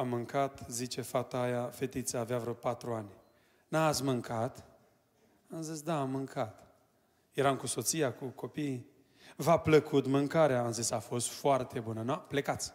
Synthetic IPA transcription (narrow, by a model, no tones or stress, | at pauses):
amːɨŋkat̪zit͡ʃe̞fat̪aajafe̞t̪it̪səːveavɾopat̪ɾuanʲ | naːt̪sʲmɨŋkat̪ | amzisd̪aːmːɨŋkʰat̪ | je̞ɾamkuso̞t̪sijakuko̞pij | vapləkut̪mɨŋkaɾeaːmzisafo̞st̪foart̪e̞bunənple̞kat̪sʲ